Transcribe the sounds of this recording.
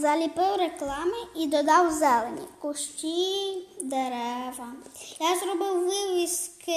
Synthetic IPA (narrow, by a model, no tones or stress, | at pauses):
zɐlʲipɪwɾeklˠɑmɪid̪ɔd̪ɑwzɛlˠenʲḭkʊʃt͡ʃʲid̪eɾɛʋɐjazɾɔbɪwːɪʋʲisk